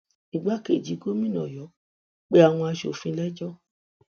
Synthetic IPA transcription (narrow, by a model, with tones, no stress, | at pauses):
i˨ɡ͡ba˨˦ke˨d͡ʒi˨˦ɡo˦mĩ˦˨nɔ̰̃˨jɔ˨˦ | k͡pe˦a˨w̃ɔ̃˧a˧ʃo̰˨fĩ˧˦lɛ˦d͡ʒɔ˦